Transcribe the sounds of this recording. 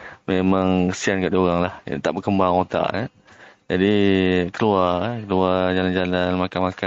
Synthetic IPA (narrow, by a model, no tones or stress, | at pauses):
memãŋsiankaʔdioɣaŋlaht̪aʔbəkəmbaŋot̪a̰ʔja | d͡ʒadikəluakəluad͡ʒaland͡ʒalanmakanmaka